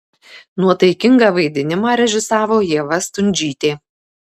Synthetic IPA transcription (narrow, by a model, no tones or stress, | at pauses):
nuɔt̪ɐɪkʲɪŋɡɑːʋɐɪd̪ʲɪnʲɪmɑːɾʲɛʒʲɪsɑːʋoːjiɛʋɐst̪ʊnʲd͡ʒʲiːt̪ʲeː